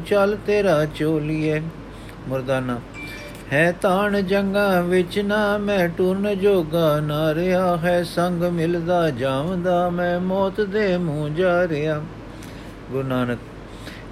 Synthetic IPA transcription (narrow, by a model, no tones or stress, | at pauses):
t͡ʃalt̪eːɾaːt͡ʃoːliːɛː | mʊɾd̪aːnaː | hɛːt̪aːɳd͡ʒəŋɡãːʋɪt͡ʃnaːmɛ̃ːʈuːɾnd͡ʒoːɡaːnaːɾeaːɦɛːsəŋɡmɪld̪aːd͡ʒaːʋə̃nd̪aːmɛ̃ːmɔːt̪d̪eːmũːd͡ʒaːɾejaː | ɡʊɾnaːnək